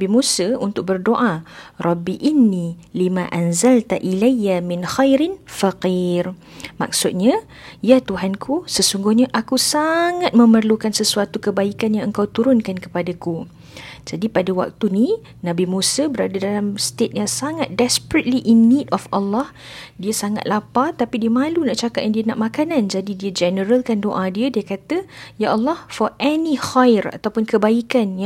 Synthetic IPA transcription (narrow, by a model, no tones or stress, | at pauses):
bimusaunt̪ʊk̚bərdoʔarˤɑbiʔinːilimãʔanzalt̪aʔilajːamɪnxajɾɪnfaqir | ma̰k̚sʊt̪̚ɲã | jat̪uɦankʰusəsuŋɡʊhɲaʔakusaŋat̪̚mə̃mərlukansəsuat̪ukəbaikanjaŋəŋkawt̪uɾʊnkankə̥padaku | d͡ʒadipadawa̰k̚t̪uni | nãbimusabəɾadadalamst̪et̪̚jaŋsaŋat̪̚dɛspɾət̪̚liʔinːidɔfalːɔh | diəsaŋa̰t̪̚lʔapat̪apidiəmãlunãʔt͡ʃakat̚jãŋdiəna̰ʔmakanãnd͡ʒadidiəd͡ʒɛnəɾəlkandoʔadiədiəkat̪əjaʔəlːɔhfɔʔɛnihajəra̰t̪awpʊnkəbaikanj